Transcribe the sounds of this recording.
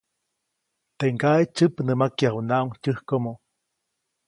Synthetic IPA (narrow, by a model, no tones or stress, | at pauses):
t̪eŋɡaet͡ʃɨpnəmakjahunaʔuŋcɨhkomo